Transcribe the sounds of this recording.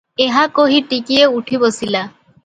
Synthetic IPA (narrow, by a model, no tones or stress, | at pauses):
eɦakoɦiʈikieuʈʰibosila